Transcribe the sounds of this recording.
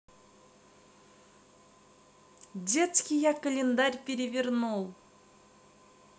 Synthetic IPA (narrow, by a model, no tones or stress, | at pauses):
d̪ʲet̪skʲijakəlʲend̪aɾʲpʲeɾʲevʲernulˠ